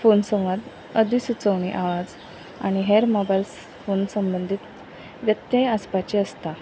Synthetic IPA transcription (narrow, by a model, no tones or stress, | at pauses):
fonsəmʋəd̪ | əd̪ʱisut͡səʋɳiʔaʋad͡z | a̰ɽ̃iɦeɾmɔbajls | fonsəmbənd̪ʱiːt̪ | ʋjət̪ːeəspat͡ɕiəst̪a